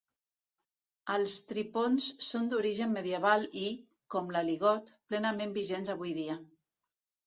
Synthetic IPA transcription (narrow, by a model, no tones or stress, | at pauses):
əlˠst̪ɾiponsːond̪uɾiʒəmːəðiəβ̞ali | kɔmləliɣɔt̪plɛnəmembiʒenzəβ̞ujðiə